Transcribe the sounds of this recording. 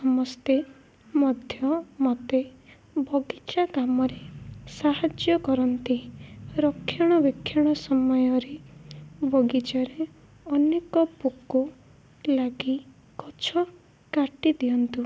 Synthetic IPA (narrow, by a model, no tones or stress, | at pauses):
sɔmɔst̪e | mɔd̪ʱjɔmɔt̪e | bʱɔɡit͡ʃaɡamɔɾesaɦad͡ʒjɔkɔɾɔnt̪iɾɔkʰːjaɽ̃ɔbekʰːjaɽ̃ɔsɔmɔjɔɾe | bʱɔɡid͡ʒaɾe | ɔnekɔpukːu | laɡi | kɔt͡ʃʰɔ | kaʈid̪ijɔnt̪u